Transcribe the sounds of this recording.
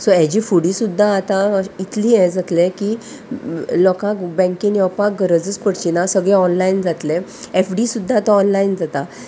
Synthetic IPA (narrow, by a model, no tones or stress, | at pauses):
sɔjed͡ʑifuɽĩsud̪ʱːaːt̪ãit̪liːɦɛ̃d͡zat̪leki | lɔkãkbɛ̃ŋkiŋjɔpak̚ɡʱəɾəd͡zət͡skəɽt͡ɕinasəɡɭɛ̃ɔnlaind͡zat̪lẽ | efɖisud̪ʱːaːt̪ãɔnlaind͡zat̪a